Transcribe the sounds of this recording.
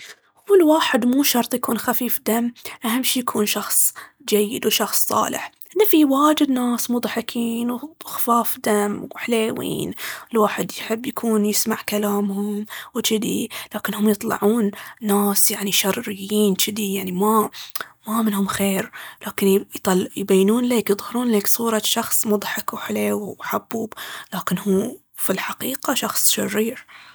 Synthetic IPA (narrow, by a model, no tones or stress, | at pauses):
hwɪlwaːħɪd̪muːʃɑɾˤt̪ˤjakuːnxafiːfd̪amːʔaɦamːʃiːjakʰuːnʃɑxsˤ | d͡ʒajːɪ̰d̪wʃɑxsˤːɑ̰ːlɪ̰ħ | nafiwaːd͡ʒɪd̪naːsmʊd̪ˤħɪkʰiːnwxfaːfd̪amwħleːwḭːnɪlwaːħɪd̪jħɪbːjakʰuːnjɪsmaʕkalaːmhʊmwt͡ʃɪd̪ilaːkɪnhʊmjɨt̪ˤlɑ̰ʕuːnːaːsjaʕniʃɑrˤːɪjːiːnt͡ʃɪd̪ijaʕnimamamɪnhʊmxeːɾlʔaːkɪnjt̪ɑljbajːnuːnleːkjɨðˤhɑɾuːnleːksˤuːɾˤɑʃɑxsˤmʊd̪ˤħɪkwħleːwħabːuːblaːkɪnhuː | filħaqiːqaʃɑxsˤʃɑrːiːɾ